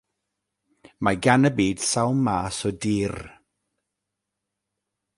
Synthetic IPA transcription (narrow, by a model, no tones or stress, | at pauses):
maɡanəbiːd̥sawmːaːsɔdiːr